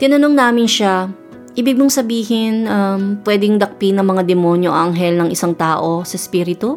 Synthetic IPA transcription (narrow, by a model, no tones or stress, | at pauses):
t̪ɪnɐnoŋnaːmɪnʃa | ʔɪbɪɡ̚mʊŋsɐbiːɦɪnʔɐmpwɛːd̪ɪŋd̪ɐk̚pinɐŋmɐŋad̪ɛmonjoʔʔɐŋɦɛlnɐŋʔɪsaŋt̪aːʔo̞sɐspiːɾɪt̪u